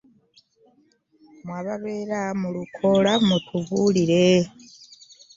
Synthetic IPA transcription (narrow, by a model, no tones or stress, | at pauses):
mwaːβaβeːɾamulukʰo̞lamutʰuvuliɾe